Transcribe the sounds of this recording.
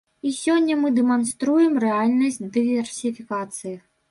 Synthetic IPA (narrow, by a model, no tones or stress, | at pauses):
isʲɔnʲːɐmɨd̪ɛmanst̪ɾujɛmrɛalʲnɐsʲd̪ɨvʲɛrsʲifʲikat̪sɨji